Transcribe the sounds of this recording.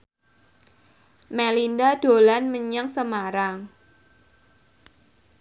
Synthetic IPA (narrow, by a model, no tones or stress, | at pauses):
mɛlindad̥o̤lanməɲəŋsəmaɾaŋ